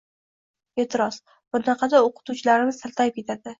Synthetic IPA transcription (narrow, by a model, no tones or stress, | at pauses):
et̪ʰɪɾɒs | b̥ʊnɑqʰɑd̪aoqʰɨ̥t̪ut͡ʃʰɪlaɾɪnɪzsʰalt̪ʰajɪp̚kʲe̞t̪ʰad̪ɪ